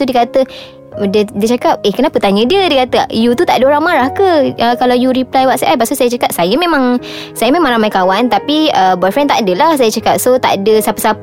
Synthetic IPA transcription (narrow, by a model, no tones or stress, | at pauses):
udiəkat̪ə | dədiət͡ʃakap̚ehkənapət̪aɲə̃diədiəkat̪əjut̪ut̪a̰ʔdəoɾaŋmaɾahkəəkalawjuɾiplajwaʔsaʔajpaʔst̪usajət͡ʃakap̚sajəmẽmaŋsajəmẽmãŋɾamajkawant̪apiəbɔfɾɛnt̪aʔdəlahs̬ajət͡ʃakap̚sot̪a̰ʔdəsapəsap